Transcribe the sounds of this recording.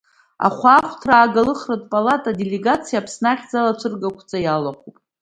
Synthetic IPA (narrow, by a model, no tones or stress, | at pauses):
a̰χʷaːχʷʰtʰraːɡalɨχratʼpʼalatʼadeleɡat͡sʰijaːpʰsnaχʲd͡zalat͡ʃʷʰɨrɡakʷʰt͡sʼajalaχʷupʼ